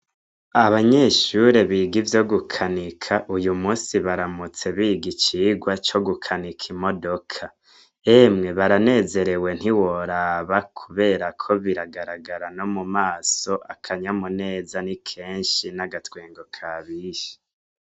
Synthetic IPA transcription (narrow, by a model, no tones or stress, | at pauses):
aβaɲeʃuɾe̞βiːɡivjo̞ɡukʰanikʰaʔujumuːsiβaɾamut͡se̞βiːɡit͡ʃiːɡwat͡ʃo̞ɡukʰanikʰimo̞do̞kʰa | emŋe̞βaɾane̞ːze̞ɾe̞we̞n̥hiwoɾaβakʰuβe̞ːɾakʰo̞βiɾaɡaɾaɡaɾano̞mumaːso̞ʔakʰaɲamune̞ːzanikʰe̞ːnʃinaɡatweːŋɡo̞kʰaβiʃe̥